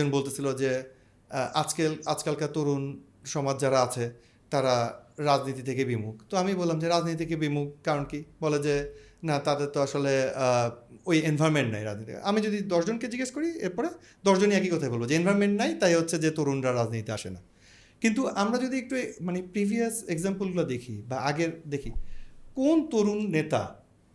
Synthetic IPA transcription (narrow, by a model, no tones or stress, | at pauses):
onbolt̪et͡ɕʰilod͡ʑe | ʔad͡ʑkelad͡ʑkalkat̪oɾun | ʃɔmad͡ʑd͡ʑaɾaat͡ɕʰe | t̪aɾaɾad͡ʑnit̪it̪ʰekebimukt̪oamibolamd͡ʑeɾad͡ʑnit̪it̪ʰekebimuk̚kaɾonkibɔled͡ʑe | nat̪ad̪eɾt̪oaʃole | ojenbʱaɾmeɳʈna̰jɾa̰d͡ʑnit̪ʰḭʔamid͡ʑod̪id̪ɔʃd͡ʑonked͡ʑiɡeʃkoɾiḛɾpɔɾe | d̪ɔʃd͡ʑoniakikɔt̪ʰajbolbod͡ʑeenbʱajmeɳʈnajt̪ajɦotːɕʰed͡ʑet̪oɾunɾaɾad͡ʑnit̪it̪eaʃena | kint̪uamɾad͡ʑod̪iek̚ʈumanepɾibʱiaseɡzampəlɡulad̪ekʰibaaɡeɾd̪ekʰikont̪oɾunːet̪a̰